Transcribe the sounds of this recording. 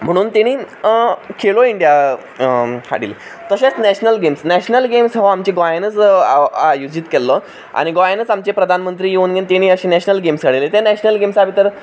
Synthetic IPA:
m̤əɽ̃uːnt̪eɽ̃iː | kʰeloiɳɖija | ha̰ɽḭle | t̪əɕat͡snɛɕnəlɡemsnɛɕnəlɡemsɦoamt͡ɕiɡojanət͡sajud͡ʑit̪kɛlːə | a̰ɽ̃iɡojanət͡samt͡ɕepɾəd̪ʱanmənt̪ɾiːjeuːnɡent̪eɽ̃iːəɕenɛɕnəlɡemsɡəɽilet̪enæɕnəlɡemsabʱit̪əɾ

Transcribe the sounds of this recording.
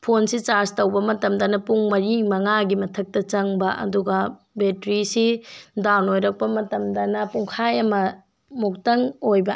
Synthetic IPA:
pʰonsit͡ʃastɐwbɐmɐtɐmdɐnɐpuŋmɐɾiŋmɐŋaɡimɐtʰɐk̚tɐt͡ʃɐŋbɐʔɐ̰duɡɐ | betɾisidawnojɾɐk̚pɐmɐtɐmdɐnɐpuŋkʰajɐmɐ | muk̚tɐŋojbɐ

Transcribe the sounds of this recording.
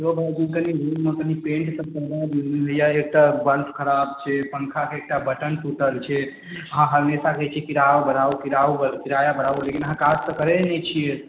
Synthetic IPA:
obʱad͡ʒinkəniɾumːekənipẽɳʈsəb̚kəɦnad̪ineɦojaek̚ʈabəɾt̪ʰkʰəɾabt͡ʃʰɛpənkʰakeek̚ʈabəʈənʈuʈəlt͡ʃʰɛ | əɦãɦəɾmesakɛt͡ʃʰkiɾaʋabənaukiɾaubəlkiɾajabəɽaulekinəɦãkad͡ʒt̪əkəɾɛnɛt͡ʃʰije

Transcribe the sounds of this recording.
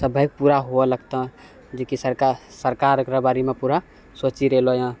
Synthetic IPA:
səbʱəjk̚puɾaɦoeləɡ̚t̪ã | d͡ʒekisəɾkasəɾkaɾkɾəbaɾimepuɾa | sot͡ʃiɾelojã

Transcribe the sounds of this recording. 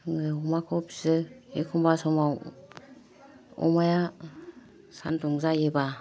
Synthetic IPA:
ŋɯɔmakʰɔpzɯekʰumbasɔmaw | ɔ̰maja | santɔŋzajeba

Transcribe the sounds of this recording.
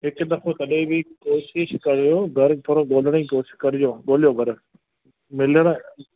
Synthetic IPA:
ɦɪkd̪ɐkʰot̪ɐɗẽbʱɪkoːʃɪʃkɐɾɪjoːɡʱɐɾt̪ʰoːɾoɡoːlɽẽĩkoːʃɪ̥ʃkɐɾɪd͡ʑoːɠoːljoɡʱɐɾ | mɪləɽ̃

